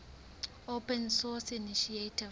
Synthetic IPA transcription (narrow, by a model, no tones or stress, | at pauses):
opɛnsɔsiniʃiatʰi